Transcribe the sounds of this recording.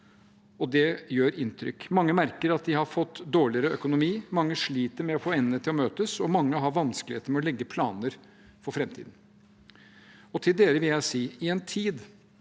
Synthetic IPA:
ɔd̪ɛjøːɾɪnt̪ʰɾʏ̰kːmɑŋːəmæɾkəɾɑt̪̚d̪ɪhɑɾfɔt̪ːd̪oːɭɪəɾəœkʊnʊmiːmɑŋːəʂɭiːt̪əɾmɛɔfoːɛnːət̪ʰɪlɔmøːt̪əsɔmɑŋːəɦɑɾʋɑnskəlɪheːt̪əɾmɛɔlɛɡːəpʰlɑːnəɾ | fɔɾfɾɛmt̪ʰḭːd̪n̩ | ɔt̪ʰɪld̪eːɾəʋɪljæɪsiːɪɛnt̪ʰiːd̪

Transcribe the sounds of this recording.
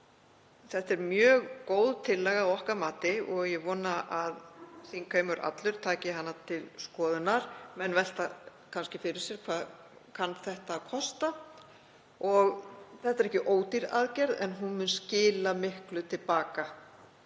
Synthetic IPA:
θɛht̪ɛɾmjœːɣkoːwðt̪ʰɪlːɛɣaawɔhkamaːt̪ɪɔɣjɛɣvɔːnaʔaðsiŋkʰœːɥmʏɾʔa̰t̪lʏɾ̥t̪ʰaːcɪɦanːat̪ʰɪlskɔːðʏnaɾ̥mɛnvɛl̥t̪akʰanscɪfɪɾɪɾ̥sjɛɾkʰvaːð | kʰanːθɛht̪akʰɔst̪a | ɔɣθɛht̪aɾɛhcɪʔoːwt̪iɾa̰ðcɛɾðɛ̰nɦunmʏnscɪːlamɪhklʏt̪ʰɪlpaːka

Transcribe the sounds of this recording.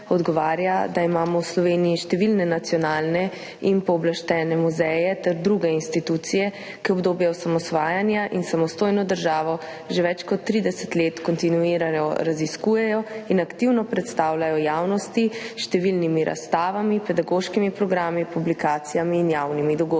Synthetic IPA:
ɔd̪ɡɔʋaːɾjad̪aimaːmɔwslɔʋeːnijiʃt̪ɛʋilnɛnat̪sijɔnaːlnɛ | inpɔːblaʃt̪ɛːnɛmuzɛjɛt̪ɛɾd̪ɾuɡɛinst̪it̪ut̪sijɛ | kiɔbd̪oːbjɛɔsamɔsʋaːjanjaʔinsamɔst̪oːjnɔd̪əɾʒaːʋɔ | ʒeʋɛt͡ʃkɔt̪ːɾiːd̪ɛsɛ̥t̪leːt̪kɔnt̪inuiːɾajɔɾaziskuːjɛjɔinakt̪iwnɔpɾɛt̪st̪aːwlajɔjaːwnɔst̪iʃt̪ɛʋilnimiɾʔa̰st̪aːʋamipɛd̪aɡoʃkimipɾɔɡɾaːmipublikaːt̪sijamiːnjawnimid̪ɔɡoːd̪

